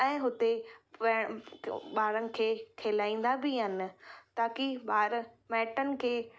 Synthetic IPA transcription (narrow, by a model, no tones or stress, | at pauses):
ɛ̃ːɦʊt̪eʋeːɽ̃ɓaːɾənɪ̆kʰeːkʰeːlaːĩːn̆d̪abɪɦənɪ̆t̪aːkiɓaːɾmɛːʈənɪ̆kʰeː